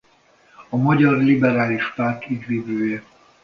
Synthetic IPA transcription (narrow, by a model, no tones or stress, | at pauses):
ɒmɒɟɒrlibɛɾaːliʃpart̪iɡviːbøːjɛ